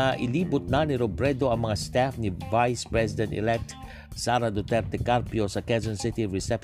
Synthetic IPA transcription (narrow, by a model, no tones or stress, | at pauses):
aʔilibut̪̚naniɾobɾɛdoamaŋast̪ɛfnivajspɹɛsidə̃ntḭlɛk̚t̪ | saɾad̪ot̪ɛrt̪ekarpiosakɛzə̃nsit̪iɹisɛp